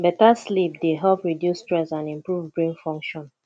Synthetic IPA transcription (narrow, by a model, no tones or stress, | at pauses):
bɛtaslip̚deɦɛlpɹidjustɹɛsãnĩmpɹuvbɹĩnfɔ̃ŋkʃɔ̃n